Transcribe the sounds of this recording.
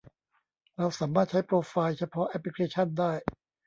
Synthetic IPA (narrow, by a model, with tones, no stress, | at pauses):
ɾa˧wsaː˩˦maː˥˩t̪̚t͡ɕʰa˦˥jpʰɾoː˧faː˧jt͡ɕʰa˧pʰɔ˦˥ʔɛ˦˥pli˧kʰeː˧t͡ɕʰa˥˩ndaː˥˩j